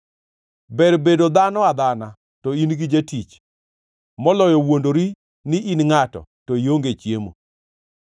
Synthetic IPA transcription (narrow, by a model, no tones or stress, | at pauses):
bɛɾbedod̪anɔad̪ana | tɔinɡid͡ʒetit͡ʃ | mɔlɔjɔwondoɾi | nɪʔinŋatɔ̰tɔjoŋɡet͡ʃjemo̰